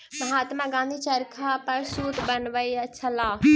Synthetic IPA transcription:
mɐɦaːt̪mãɡãːnd̪ʱiːt͡ʃɐɾkʰapɐɾsuːʈ̪bɐnʋəiɐt͡ʃʰalaː

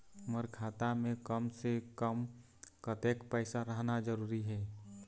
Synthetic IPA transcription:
məɾkʰaːt̪amẽkəmsekəm | kət̪eːkpɛːɪsaɾəɦnad͡ʒəɾuːɾiɦɛː

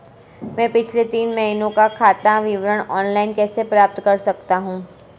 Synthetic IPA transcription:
mɛ̃ːpɪt͡ʃʰlet̪iːnmɐɦinõkakʰaːt̪aʋɪʋɾəɽ̃ɔːnlaɪnkɛːsepɾaːp̚t̪kɐɾsɐkt̪aɦũː

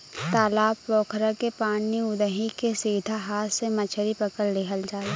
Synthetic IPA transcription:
t̪aːlaːbɾɔːkʰɾakepaːnːiʊd̪əɦikesiːd̪ʱaɦaːt̪ʰsemɐt͡ʃʰəɾipɐkəlːekɦʰəld͡ʒaːle

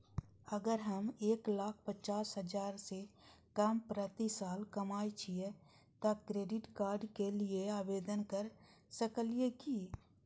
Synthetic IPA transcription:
əɡəɾɦɐmeːklaːk̚ʰpət͡ʃaːsɦəd͡ʒaːɾsekəmpɾət̪isaːlkɐmaːit͡ʃʰie | t̪akɾeːɖɪʈkaːɾɖkelieaːbeːd̪ənkəɾsəkəlieki

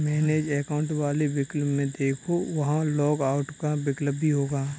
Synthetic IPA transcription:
mɛːneːd͡ʒɛːkaːʊ̃ɳʈʋaːlebɪkləbmẽd̪eːkʰoʋɐɦãlɔːɡaːʊʈkabɪkləbʱːiɦoːɡaː

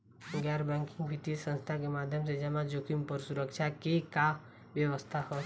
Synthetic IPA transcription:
ɡɛɾbɛ̃ŋkɪ̃ŋɡbʱit̪isə̃nst̪ʰakemaːd̪ʱjəms̬ed͡ʒɛmãd͡ʒokʰimpəɾsuɾəkt͡ʃʰakeka | ʋjəʋəst̪ʰahɔ

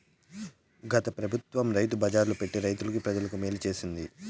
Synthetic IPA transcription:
ɡɐt̪ɐpɾɐbʱut̪ʋɐmɾɐjt̪ubɐd͡ʒaːɾlupe̞ʈːiɾɐjt̪ulɐkipɾɐd͡ʒɐlɐkumeːlit͡ʃe̞ːsind̪i

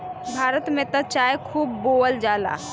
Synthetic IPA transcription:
bʱaːɾət̪mẽt̪ət͡ʃaːjekʰuːbːoːəld͡ʒaːla̰ː

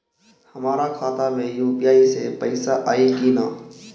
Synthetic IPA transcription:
həmaːɾakʰaːt̪amẽjuːpijaːisepəɪsaʔaːikiːnaː

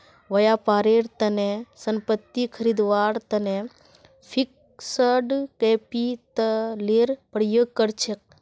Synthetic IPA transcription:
ʋɐjaːpaːɾeːɾt̪ɐnesɐmpət̪ːikʰəɾid̪ʋaːɽt̪ɐne | pʰik̚ | səɖkepit̪əleːɾpəɽ̤jəkːəɾt͡ʃʰek̚

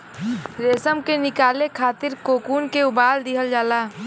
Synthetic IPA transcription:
ɾeːsəmkenɪkaːlekʰaːt̪ɪɾkoːkuːnkeʊbaːld̪ɪɦəld͡ʒaːlaː

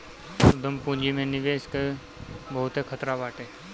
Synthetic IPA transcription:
ʊd̪ʱəmpũːd͡ʒimẽnɪʋeːske | bəɦʊt̪ɦekʰət̪ɾabaːʈeː

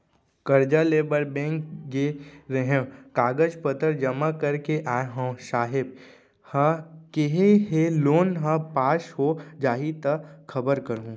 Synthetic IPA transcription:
kəɾd͡ʒaleːbəɾbɛ̃ːŋkɡeɾəɦẽkaːɡəd͡ʒpət̪əɾd͡ʒɐmakɐɾkeʔaːeɦõːʃaːɦɪb̚ | hə̃keɦeɦeloːnɦə̃paːʃɦod͡ʒaːɦit̪əkʰɐbəɾkəɾũː

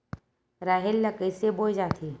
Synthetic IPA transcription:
ɾaːɦɪlːɐkəsebod͡ʒaːt̪ʰi

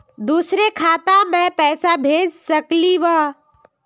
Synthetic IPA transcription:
d̪uːsɾekʰaːt̪ãmẽpɛːsabʱeːd͡ʒsɐkliʋaː

